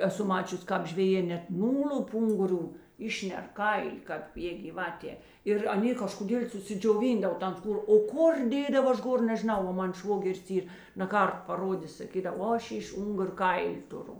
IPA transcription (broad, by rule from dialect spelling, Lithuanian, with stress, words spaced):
ɛˈsʊ ˈmɑːt͡ʃʲʊsʲ ˈkɑːp ʒʲʋʲɛˈjeː nʲɛt ˈnuːlʲʊp ˈʊŋɡʊˌrʲuː ˈɪʃʲnʲɛr ˈkɐɪlʲɪ kɑːp jeː ɡʲiːˈʋɑːtʲeː ɪr ɐˈnʲeː kɐʃkoːˈdʲeːlʲ sʊsʲɪd͡ʒʲoːˈʋʲiːndɐw ˈtɐn ˈskuːr oː ˈkʊr ˈdʲeːdɐw ˈɐʃ ˈɡoːr nʲɛʒʲɪˈnɐʊ ˈʋɐ ˈmɐn ˈʃʋoːɡʲɛrʲɪs ˈiːr nɐˈkɐrt pɐˈroːdʲeːs sɐˈkʲiːdɐw oː ˈɐʃ ɪʃ ˈʊŋɡʊrʲ ˈkɐɪlʲɪ tʊˈrʊ